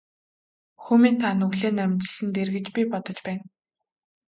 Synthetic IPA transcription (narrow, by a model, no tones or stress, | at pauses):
xuːmiːnt̪ʰanɵɣɮeːnæmʲt͡ɕɪ̆ɮsɘ̆nt̪erɣɘ̆t͡ɕpʲipɔt̪ɞ̆t͡ɕpæːn